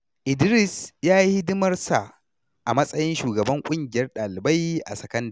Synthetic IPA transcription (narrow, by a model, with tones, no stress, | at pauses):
ʔɪ˨dɾɪ˦˨sjaː˦ji˦ɪ˦dʊ˦mɐ˦rsa˨ | ʔa˨mɐ˦sʼɐ˦jɪ˦nʃuː˨ɡɐ˨bɐ˦ŋkʷʼʊ˦ŋɡʲɪ˨jɐ˦rɗaː˨lɪ˨ba˦jʔa̰˨sɐ˨kɐ˦nda˦˨